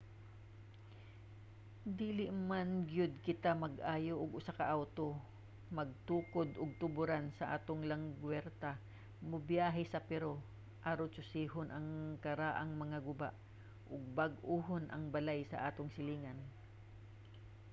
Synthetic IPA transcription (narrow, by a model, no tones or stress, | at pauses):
d̪iːlɪʔmanɡjʊd̪̚kɪt̪amɐɡʔaːjoʔʊɡʔʊsakɐʔawt̪o | mɐɡ̚t̪uːkod̪ʔʊɡ̚t̪ʊbʊɾansɐʔa̰ːt̪oŋlɐŋɡwɛɾt̪a | mʊbjaːɦɛsɐpɛɾo | ʔaɾot͡ʃʊsiːɦʊnʔɐŋkɐɾaːʔɐŋmɐŋaɡʊbaʔ | ʔʊɡ̚bɐɡʔuːɦonʔɐ̰ŋbɐlajsɐ̰ʔaːt̪oŋsɪliːŋɐn